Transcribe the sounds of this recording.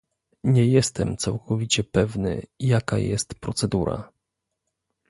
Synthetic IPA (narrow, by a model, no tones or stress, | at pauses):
ɲɛjɛst̪ɛmt̪sawkʰɔvʲit͡ɕɛpɛvnɘ̰jakajɛ̰st̪pɾɔt̪sɛd̪uɾa̰